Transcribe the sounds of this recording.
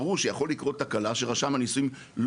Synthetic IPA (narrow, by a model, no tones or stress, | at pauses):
ʁuʃejaχo̞lːikʁo̞t̚takalaʃeʁaʃamanisujim | l